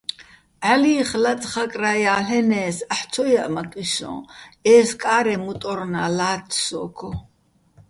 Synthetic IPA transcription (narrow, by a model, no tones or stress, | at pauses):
ʕaliːχlat͡sʼχakʼrajaːlɛnɛːsaħt͡sʰɔjaʔmat̪ʼwisɔ̰̃ːɛːskʼaːɾɛmut̪ʼɔɾnalaːt̪ʰsɔːkʰɔ